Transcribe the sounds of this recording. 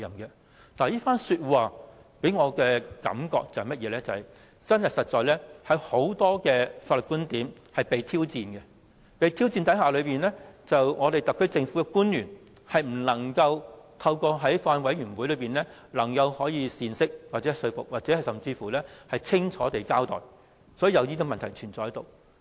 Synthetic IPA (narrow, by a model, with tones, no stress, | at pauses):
jɐ˨˩mkɛ˧ | naː˨˩jiː˥faː˥nsyː˧t̚waː˨ | pe˨˥jŋɔː˨˧kɛː˧kɐ̰˨˥mkɔ̰ː˧k̚t͡sɐ˨whɐ˨jmɐ˥t̚jɛː˨˧lɛː˥t͡sɐ˨hɐ˨˩j | t͡sɐ˥njɐ˨t̚sɐ˨t̚t͡ʃɔː˨jlɛː˥hɐ˨˥jho˨˥wt̪ɔː˥kɛː˧faː˧tlɵ˨t̚kuː˥nt̪iː˨˥m | hɐ˨jpe˨jt̪ʰiː˥wt͡siː˧nɡɛ˧ | pe˨˧jt̪ʰiː˥wt͡siː˧nt̪ɐ˨˥jhaː˨lɵ˨˧ɥpiː˨˩nlɛː˥t͡sɐ˨wŋɔː˨˧t̪e˨jt̪ɐ˨kʰɵ˥t͡sɪ˧ŋfu˨˥ɛ˧kuː˥njyː˨˩n | hɐ˨jm̩˨˩lɐ˨˩ŋkɐ˧wt̪ʰɐ˧wkɔː˧ɦɐ˨˥jfaː˧nwɐ˨˥jyː˨˩nwu˨˥lɵ˨˧piː˨nlɛː˥lɐ˨˩ŋkɐ˧whɔː˨˥jiː˧siː˨˧nsɪ˥k̚waː˨t̚t͡sɛ˨˥˨sɵ˧ɥfʊ̰˨k̚waː˨t̚t͡sɛː˨˧˥ɐ˨jsɐ˨mt͡siː˧fu˨˩lɛː˥hɐ˨jt͡sʰɪ˥ŋt͡ʃʰɔː˨˥t̪e˨˩jkaː˥wt̪ɔ̰ː˨˩j | sɔ˨˥jiː˨˧jɐ˨˧wjiː˥t̪i˧˥mɐ˨nt̪ʰjt͡ʃʰyː˨˩nt͡sɔː˨hɐ˨˥jt̪o˨w